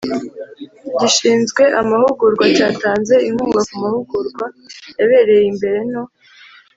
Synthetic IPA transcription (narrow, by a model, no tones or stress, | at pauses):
ɟiʃiːnzɡwe̞ʔamahuɡuɾɡwacaːtaːnze̞imuːɡakumahuɡuɾɡwajaβe̞ːɾe̞jimbe̞ɾe̞no̞